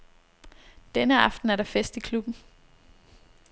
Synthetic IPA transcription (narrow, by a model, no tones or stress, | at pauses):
d̥enəɑ̈fd̥n̩æɐɾ̥ɑ̈fesd̥ikʰlub̥n̩